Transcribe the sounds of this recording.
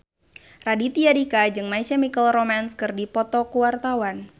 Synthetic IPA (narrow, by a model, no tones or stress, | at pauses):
radit̪iaɾikad͡ʒɨŋmaisamikəlromanskɨrdipɔt̪ɔkuwart̪awan